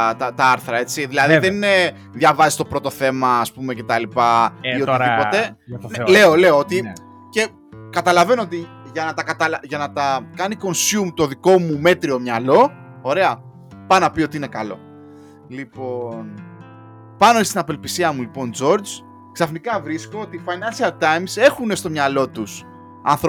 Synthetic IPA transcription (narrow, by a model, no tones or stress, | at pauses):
t̪ɐt̪ɐɐɾθɾɐe̞t͡siðilɐðiðen | ðʝɐvɐzist̪o̞pɾo̞t̪o̞θe̞mɐːspume̞ce̞t̪ɐlipɐio̞t̪iipo̞t̪ele̞ole̞oot̪i | ce̞ | kɐt̪ɐlɐve̞noot̪i | ʝɐnɐt̪ɐkɐt̪ɐlɐʝɐnɐt̪ɐkɐniko̞nsjumt̪o̞ðiko̞mume̞t̪ɾio̞mɲɐlo̞ | o̞ɾe̞ɐ | pɐnɐpiot̪iine̞kɐlo̞̰ | lipo̞n | pɐno̞ist̪inɐpelpisiɐmulipo̞nd͡zo̞ɾd͡z | ksɐfnikɐvɾiskoot̪ifɐjnɐnsiɐlt̪ɐjmse̞xune̞st̪o̞mɲɐlo̞t̪us | ɐ̰nθɾo